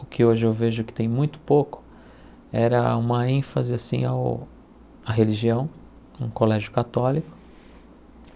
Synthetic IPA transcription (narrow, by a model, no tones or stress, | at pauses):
ʊkʰɪoʒɪewveʒʊkɪ̥t̪ẽj̃mũj̃t̪ʊ̥pokʊ̥ | ɛɾɐ̰ũmɐẽfɐzɪasḭ̃a̰w | ɐɦeliʒiɐ̃w̃ | ṵ̃kolɛʒjʊkat̪ɔlikʊ̥